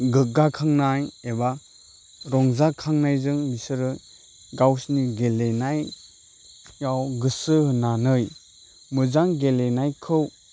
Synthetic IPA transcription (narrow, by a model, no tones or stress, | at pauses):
ɡɯɡakʰaŋnajeba | ɾɔŋzakʰaŋnajzɯŋbisɯɾɯ | ɡawsniɡelenaj | jawɡɯsɯhɯnanɯj | mɯzaŋɡelenajkʰɯw